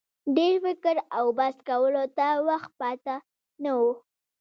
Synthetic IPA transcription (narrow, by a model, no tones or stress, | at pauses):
ɖeɾfɪkəɾawbaskawəlot̪awaxt̪̚pɑt̪a | nawu